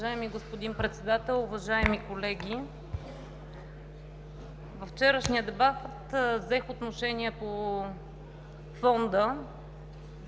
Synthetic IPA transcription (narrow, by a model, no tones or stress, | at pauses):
ʒaɛmiɡospod̪inpɾɛt̪sɛd̪at̪ɛlˠʊvɐʒaɛmikolɛɡʲi | vɐft͡ʃɛɾəʃnijəd̪ɛbat̪vzɛxot̪noʃɛniɛpo | fɔnd̪ə